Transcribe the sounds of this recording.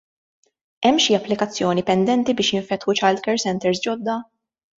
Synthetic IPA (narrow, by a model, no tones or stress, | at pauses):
ɛmːʃiɐpːlɪkɐt͡sːjɔːnipɛnd̪ɛnt̪ibɪːʃjɪɱfɛt̪ħut͡ʃɐld̪kɛɾsɛnt̪ɛɾsd͡ʒɔd̪ːɐ